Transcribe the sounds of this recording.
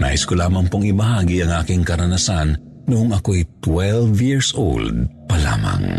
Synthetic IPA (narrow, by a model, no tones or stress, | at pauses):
na̰ːʔɪskolaːmɐŋpoŋɪbɐhaːɡiɐŋʔaːkɪŋkɐɾɐnɐsan | noʔoŋɐkoɛjt̪wɛlvjiɹsʔo̰ld̪̚pɐla̰ːmɐ̰ŋ